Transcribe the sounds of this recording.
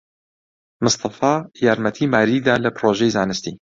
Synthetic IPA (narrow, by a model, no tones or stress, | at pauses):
mɨst̪ɑfɑːjaːɾmɛt̪ʰiːmaːɾiːd̪aːlɨpɾoːʒejzaːnɨst̪iː